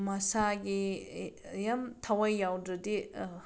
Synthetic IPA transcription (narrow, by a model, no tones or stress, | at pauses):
mɐsaɡi | jamtʰawajːawdɾɐdi